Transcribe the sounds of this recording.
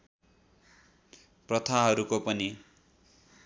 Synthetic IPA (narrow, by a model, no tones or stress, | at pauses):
prʌt̪ʰaɦʌɾukopʌni